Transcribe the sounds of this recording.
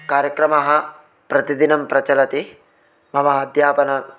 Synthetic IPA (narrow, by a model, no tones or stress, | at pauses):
kaːɾjɐkɾɐmɐɦɐ̆ | pɾɐt̪id̪inɐmpɾɐt͡ʃɐlɐt̪i | mɐʋaːɐd̪ʱjaːpɐnɐ